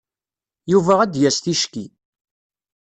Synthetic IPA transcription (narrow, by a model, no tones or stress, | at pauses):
juvææd̪jæst̪iʃki